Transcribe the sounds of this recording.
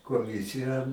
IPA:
koːˈmʲɪsʲɪjæː

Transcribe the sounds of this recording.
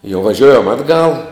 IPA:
jɛʊ ʋɐˈʒʲoːjɛm ˈɑːdˌɡɐlˠ

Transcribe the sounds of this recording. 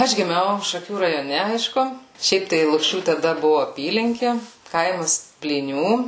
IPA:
ˈɐʃ ɡʲɪˈmʲɛʊ ʃɐˈkʲuː rɐjoːˈnʲɛ ˈɐɪʃkʊ ˈʃʲɛɪp tɐɪ lˠʊkˈʃʲuː tɐˈdɐ ˈbʊʋʊ ɐˈpʲiːlʲɪŋʲkʲɪ ˈkɐɪmɐs pʲlʲiːˈnʲuː

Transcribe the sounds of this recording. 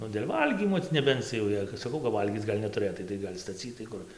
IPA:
ˈnʊ dʲeːlʲ ˈʋɐlʲɡʲiːmoː tʲɪ nʲɛˈbʲɛnt͡s jɛʊ ˈjɛɪ kɐt sɐˈkɐʊ kɐp ˈʋɐlʲɡʲiːt͡s ˈɡɐlʲ nʲɛtʊˈrɘtɐɪ tɐɪ ˈɡɐlʲ stɐˈt͡sʲiːtɐɪ ˈkʊr

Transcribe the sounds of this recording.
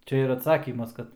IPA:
ˈt͡ʃʲɛ ɪr ɐtˈsɑːkʲiːmɐs ˈkɐt

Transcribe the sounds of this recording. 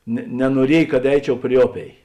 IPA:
nʲɛ nʲɛnuɔˈrʲiɛj kɐt ˈɛɪt͡ʃʲɛʊ pʲrʲɪ ˈoːˌpʲeːɪ

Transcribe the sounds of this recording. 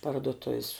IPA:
pɐrdoːˈtʊws

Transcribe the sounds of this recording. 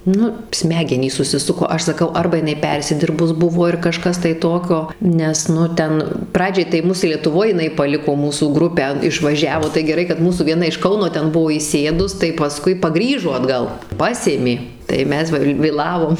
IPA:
ˈnʊ ˈsʲmʲæːɡʲɛnʲiːs sʊsʲɪˈsʊkoː ˈɐʃ sɐˈkɐʊ ˈɐrbɐ jɪˈnɐɪ ˈpʲɛrʲsʲɪdʲɪrbʊs ˈbʊʋoː ɪr kɐˈʃkɐs tɐɪ ˈtoːkʲoː ˈnʲɛs ˈnʊ ˈtʲɛn ˈprɑːd͡ʒʲɛɪ tɐɪ ˈmʊs lʲiɛtʊˈʋoːj jɪˈnɐɪ pɐˈlʲɪkoː ˈmuːsuː ˈɡrʊpʲæː ɪʃˈʋɑːʒʲɛʋoː tɐɪ ɡʲɛˈrɐɪ kɐt ˈmuːsuː ʋʲiɛˈnɐ ɪʃ ˈkɐʊnoː ˈtʲɛn ˈbʊʋoː iːˈsʲeːdʊs tɐɪ pɐˈskʊɪ pɐˈɡrʲiːʒoː ɐdˈɡɐlˠ ˈpɑːsʲeːmʲeː tɐɪ ˈmʲɛs ʋɐ ʋʲeːˈlˠɑːʋoːm

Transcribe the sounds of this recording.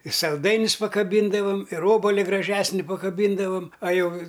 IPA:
ɪ sɐlˠˈdɐɪnʲʊs pɐkɐˈbʲiːndɐʋɐm ɪr ˈoːbɐlʲɪ ɡrɐˈʒʲæːsʲnʲɪ pɐkɐˈbʲiːndɐʋɐm ɐ ˈjɛʊ

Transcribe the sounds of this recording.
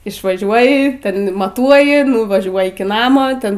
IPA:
ɪʃʋɐˈʒʲuɔjɪ ˈtʲɛn mɐˈtuɔjɪ nʊʋɐˈʒʲuɔj ɪkʲɪ ˈnɑːmoː ˈtʲɛn

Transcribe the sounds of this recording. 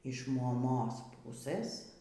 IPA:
ɪʃ moːˈmoːs ˈpʊsɘs

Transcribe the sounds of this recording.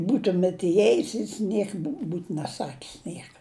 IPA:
ˈbuːtʊmʲɛt ɪˈjeːjʊs jɪs ˈnʲiɛk buːt nʲɛˈsɑːkʲɪs ˈnʲiɛkɐ

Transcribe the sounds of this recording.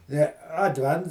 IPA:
jɛ ɐdʲˈʋʲɛnts

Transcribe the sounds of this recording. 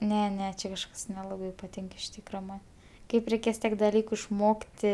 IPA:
ˈnʲɛ ˈnʲɛ ˈt͡ʃʲɛ kɐʃˈkɐs nʲɛˈlˠɑːbɐɪ pɐˈtʲɪŋk ɪʃ ˈtʲiːkrɐ ˈmɐn ˈkɐɪp rʲɛɪˈkʲeːs ˈtʲiɛk dɐˈlʲiːkʊ ɪʃˈmoːktʲɪ

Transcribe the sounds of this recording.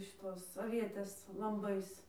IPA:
ʃʲɪˈtoːs ɐʋʲiɛˈtʲeːs lˠɐmˈbɐɪs

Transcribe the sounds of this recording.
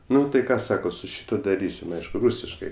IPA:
ˈnʊ tɐɪ ˈkɑː ˈsɑːkoː sʊ ˈʃʲɪtuɔ dɐˈrʲiːsʲɪm ˈɐɪʃkʊ ˈruːsʲɪʃkɐɪ

